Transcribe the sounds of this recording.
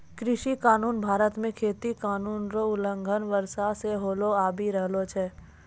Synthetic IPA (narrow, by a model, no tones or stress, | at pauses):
kɾɪʃikaːnuːnbʱaːɾət̪mẽkʰeːt̪ikaːnuːnɾoʊlə̃ŋɡʱənʋəɾsaseɦoːloaːbʱiɾəɦlot͡ʃʰɛː